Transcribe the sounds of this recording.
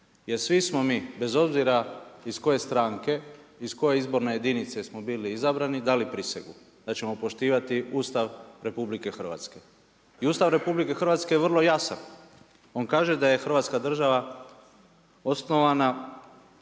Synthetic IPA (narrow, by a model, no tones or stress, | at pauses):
je̞ɾsʋismo̞miːbe̞zo̞bziɾaisko̞je̞st̪ɾaːŋke̞isko̞je̞izbo̞ɾne̞je̞d̪init̪se̞smo̞biːliizabɾanid̪alipɾisḛɡu | d̪at͡ɕe̞mo̞po̞ʃt̪iːʋat̪iuːst̪aʋɾe̞publike̞xr̩ʋa̰t̪ske̞ | iuːst̪aʋɾe̞publike̞xr̩ʋat̪ske̞jeʋərlˠo̞jasa̰n | o̞ŋkaːʒe̞d̪aje̞xr̩ʋat̪skad̪r̩ʒaʋa | o̞sno̞ʋana